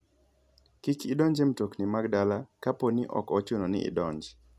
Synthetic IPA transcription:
kikidɔɲd͡ʒɛmtoknimaɡdalakaponiʔɔ̰kɔt͡ʃonɔnɪ̰ɪ̰dɔɲd͡ʒ

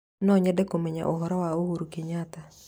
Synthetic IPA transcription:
nɔɲɛdɛkomeɲa̰ʔoɦɔɾɔwaohuɾukeɲat̪a

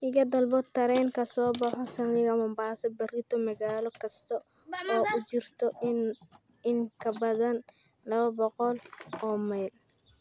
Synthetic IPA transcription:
ʔɪɣɐd̪ɐlbɔdt̪ʰːɐɾɛŋkʰɐsɔːbɑħɔsɐnlɪɣɐmɐmbaːsɐbɐrɪt̪ʰɔmɐɣaːlɔkʰɐst̪ʰɔ | ɔːʊt͡ʃɪrt̪ʰɔ | ɪŋkʰɐbɐðɐn | lɐβɐbɔqɔlɔːmajl

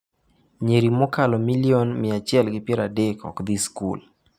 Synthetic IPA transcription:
ɲeɾimɔkalɔmilionmɪat͡ʃɪɛlɡɪpjɛɾadekʰɔ̰kd̪iskṵl

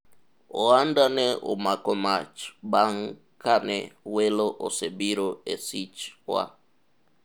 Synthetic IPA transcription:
oandaneʔo̰makomat͡ʃbaŋ | kanɛ̰weloʔo̰sebiɾoesit͡ʃwa̰

